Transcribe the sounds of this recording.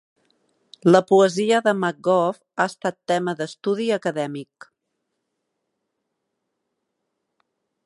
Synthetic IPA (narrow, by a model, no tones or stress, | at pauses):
ləpuəziəðəmak̚ɡɔf | aəst̪at̪ːɛməðəst̪uðiəkəðɛmik